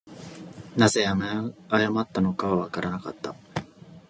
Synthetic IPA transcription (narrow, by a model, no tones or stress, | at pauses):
naze̞jameajamat̪ːano̞kaβaβakaɾanaka̰t̪ːa